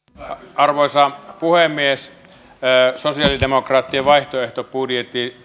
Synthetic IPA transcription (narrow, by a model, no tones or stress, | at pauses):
ɑrʋoisɑpuhemːies | sosiɑlidemokrɑːt̪ːieʋɑiht̪oeht̪obudjet̪ːi